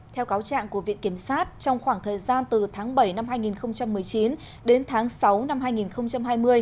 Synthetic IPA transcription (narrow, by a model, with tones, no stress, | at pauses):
t̪ʰɛ˧wkaː˨˦wt͡ɕa̰ː˧˨ŋku˧˩əvḭ˧˨ənki˧˩əmsaː˦˥t̚t͡ɕɔ˧wŋ͡mxwaː˧˩ŋt̪ʰəː˨˩jzaː˧nt̪ɨ˨˩t̪ʰaː˨˦ŋɓə˧˩jna˧mɦaː˧jŋi˨˩nxə˧wŋ͡mt͡ɕa˧mːɨ˨˩əjt͡ɕi˨˦n | ɗe˨˦nt̪ʰaː˨˦ŋsa˨˦wna˧mhaː˧jŋi˨˩nxə˧wŋ͡mt͡ɕa˧mɦaː˧jmɨ˧əj